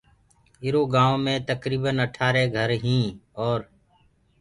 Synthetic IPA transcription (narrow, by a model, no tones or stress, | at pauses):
ɪɾoːɡãːõːmẽːt̪əkɾiːbənəʈʰaːɾeːɡʱəɾɦĩːɔːɾ